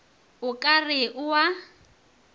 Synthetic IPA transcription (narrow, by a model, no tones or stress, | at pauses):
ʊkʼarɪʔʊwa